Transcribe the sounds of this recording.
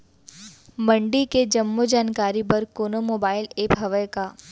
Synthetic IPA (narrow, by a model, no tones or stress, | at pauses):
mɐ̃ɳɖiked͡ʒɐmːod͡ʒaːnkaːɾipɐɾkoːnomoːbaːɪleːpɦɐʋəjkaː